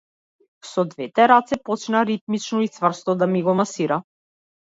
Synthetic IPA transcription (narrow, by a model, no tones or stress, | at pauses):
sɔd̪vɛt̪ɛɾat̪sɛpɔt͡ʃnaɾit̪mit͡ʃnɔit̪svr̩st̪ɔd̪amiɡɔmasiɾa